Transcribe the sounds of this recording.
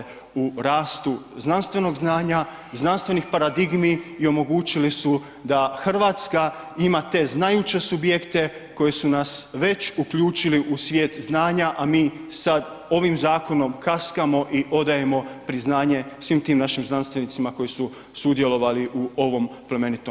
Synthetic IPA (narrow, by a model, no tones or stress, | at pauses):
uɾaːst̪uznanst̪ʋe̞no̞ɡznaːɲa | znanst̪ʋe̞nixpaɾad̪iɡmiːo̞mo̞ɡuːt͡ʃilisu | d̪axr̩ʋaːt̪ska | imat̪e̞ːznajut͡ɕe̞subje̞kt̪e̞ | ko̞je̞sunasʋe̞t͡ʃukʎuːt͡ʃiliʔusʋjeːt̪znaːɲaʔamiː | sad̪ | o̞ʋimzaːko̞no̞mkaskamo̞ʔiʔo̞d̪aje̞mo̞pɾiznaːɲe̞sʋimt̪iːmnaʃimznanst̪ʋe̞nit̪simako̞jisu | sud̪je̞lo̞ʋaliʔuo̞ʋo̞mpleme̞nit̪o